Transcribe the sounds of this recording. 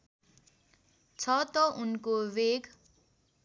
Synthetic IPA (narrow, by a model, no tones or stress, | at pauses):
t͡sʰʌt̪ʌʔunkoβeɡ